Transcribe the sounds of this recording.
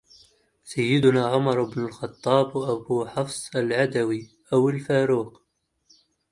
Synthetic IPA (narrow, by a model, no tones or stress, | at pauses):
sajːɪd̪ʊnaʕʊmɑɾˤbnʊlxɑt̪ˤːɑːbwʔæbuħɑfsˤalʕad̪æwi | ʔawəlfaːɾuːq